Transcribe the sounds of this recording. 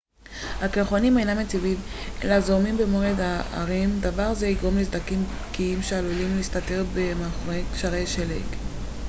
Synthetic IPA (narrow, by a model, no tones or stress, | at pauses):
hakelχonimejnamet͡sivimḛlazomimbemoed̪aa̰ʁimd̪avaʁzeiɡʁo̞mlezd̪akim | kiimʃealulimliist̪at̪e̞ʁbemaχoʁekʃaʁejʃelek